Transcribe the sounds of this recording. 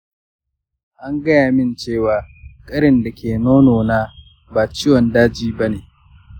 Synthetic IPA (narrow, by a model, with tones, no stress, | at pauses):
ʔa˦ŋɡɐ˦jaː˨mɪ˦˨nt͡ʃeː˦˨waː˨kʼɐ˦ɽɪ˨nda˨kʲʰeː˨noː˦noː˨naː˦ | baː˨t͡ʃɪ˦jwɔ˨ndaː˦d͡ʒiː˦bɐ˦neː˨